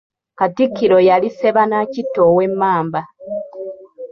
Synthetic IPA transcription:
katikːiɾo̞jalise̞βanacitːo̞we̞mːaːmba

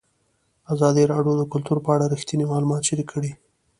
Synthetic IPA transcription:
azɑd̪iɾɑɖjod̪əkʊlt̪uɾpəaɽaɾixt̪inimɑlumɑt̪ʃiɾikʰəɽi

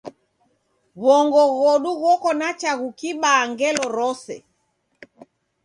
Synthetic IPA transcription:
βɔŋɡɔɣɔɗuɣɔkɔnat͡ʃaɣukiɓaŋɡɛlɔɾɔsɛ̰

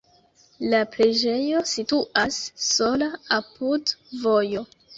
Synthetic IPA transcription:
lapɾe̞d͡ʒe̞jo̞situʔasːo̞laapudvo̞jo̞

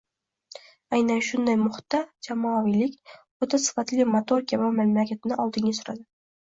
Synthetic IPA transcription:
ajnanʃʊnd̪ajmʊχt̪ːad͡ʒamɒvijlɪkʲ | ot̪ʰasɪ̥fat̪lɪmot̪ʰoɾkʰʲamamamlakʲat̪ʰɪnɪʔɒlˠd̪ɪŋɡʲasʊɾa̰d̪ɪ

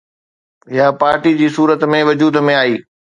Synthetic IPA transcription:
ɦɪjapaːɾʈid͡ʑiːsuːɾət̪mẽʋɐd͡ʑuːd̪mẽaːiː

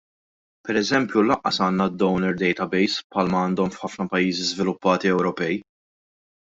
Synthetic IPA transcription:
pɛɾɛzɛmpjulɐʔːɐsɐːnːɐd̪ːɔwnɛɾd̪ɛjt̪ɐbɛjspħɐːlmɐɐːnd̪ɔmfħɐfnɐpɐjːiːzizvɪlʊpːɐːt̪iɛwɾɔpɛj

